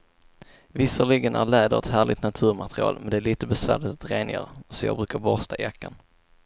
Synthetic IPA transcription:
vɪsəɭɪɡənʔæ̰ɾɭɛːd̪ə̰ɾɛ̰t̪hæːɭɪt̪nat̪ʰʉ̟ːɾmat̪ɾɪɑ̰ːlmɛnd̪ɛæːɭiːt̪əbɛsvæ̰ːɭɪt̪at̪ɾeːnjœ̰ːɾsɔjɑ̰ːɡbɾʉ̟ːkaɾbɔst̪ʰaʔɪjakːa̰n

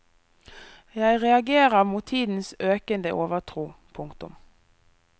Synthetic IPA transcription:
jæɪʁɛɑɡeːʁəʁmuːt̪ʰiːd̪n̩søːkənd̪əʔoːʋəʁt̪ʰʁuːpʰʊŋkt̪ʊ̰m

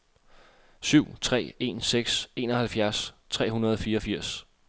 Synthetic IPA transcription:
syʊ̰t͡sʰʁɛ̰ːe̝̰nseɡ̥se̝ːnɒ̽hælfjæɐst͡sʰʁɛ̰ːɦunɐð̞ˠɒ̽fiːɐɒ̽fiɐ̰s

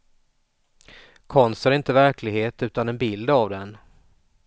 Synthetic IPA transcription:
kʰɔnst̪æɾɪnt̪əvæɾkʰlɪɡheːt̪ʉ̟ːt̪anɛnbɪld̪avd̪ɛn

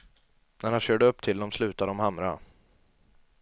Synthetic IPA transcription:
næɾhanɕøːɖəɵpːt̪ʰɪld̪ɔmslʉ̟ːt̪ad̪əɔmɦamɾa̰

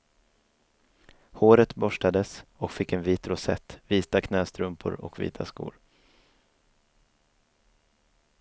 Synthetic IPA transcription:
hoːɾət̪bɔʂʈad̪əsɔkfɪkːɛnviːt̪ɾʊsɛ̰t̪ːviːt̪akʰnɛːst̪ɾɵmpʰʊ̰ɾɔ̰kvḭːt̪ʰaskṵːɾ

